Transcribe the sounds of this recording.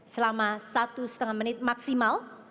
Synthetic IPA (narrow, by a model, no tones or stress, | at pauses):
səlamasat̪usə̥t̪əŋanmənɪt̪̚maksimal